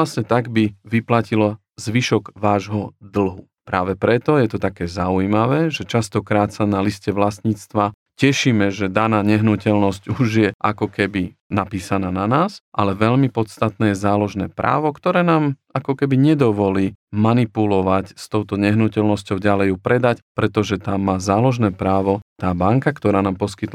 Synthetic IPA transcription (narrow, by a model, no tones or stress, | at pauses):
lasɲɛt̪aɡbiʋiplacilɔ | zʋiʃɔɡʋaːʒɦɔd̪l̩ˠɦu | pɾa̰ːʋɛpɾɛt̪ɔjɛt̪ɔt̪akɛːzaujmaʋɛːʒɛt͡ʃast̪ɔkɾaːt̪sanaliscɛʋlast̪ɲiːt͡st̪ʋa | cɛʃiːmɛʒɛd̪anaːɲɛɦnucɛlnɔscuʒjɛʔakɔkɛbi | napiːsanaːnanaːsʔalɛʋɛʎmipɔt̪st̪at̪nɛːjɛzaːlɔʒnɛ̰ːpɾʔa̰ːʋɔkt̪ɔɾɛːnaːmakɔkɛbiɲɛd̪ɔʋɔliːmanipulɔʋacst̪ɔʊt̪ɔɲɛɦnucɛlnɔscɔʊɟalɛjupɾɛd̪acpɾɛt̪ɔʒɛt̪amːaːzaːlɔʒnɛːpɾaːʋɔt̪aːbaŋkakt̪ɔɾaːnaːmpɔskit̪